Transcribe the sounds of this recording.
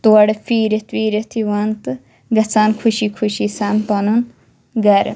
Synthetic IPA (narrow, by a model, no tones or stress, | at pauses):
t̪uɐɽfiːɾet̪ʋiːɾet̪ʰiʋaːnt̪ɨ | ɡɐt͡saːnkʰuʃiːkʰuʃiːsaːnt̪onun | ɡɐɾ̰